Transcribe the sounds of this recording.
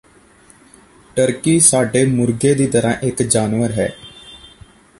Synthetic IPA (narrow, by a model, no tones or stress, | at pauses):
ʈəɾkiːsaːɖeːmʊɾɡeːd̪iːt̪əɾã̰ːʔɪkd͡ʒaːnʋəɾɦɛ̰ː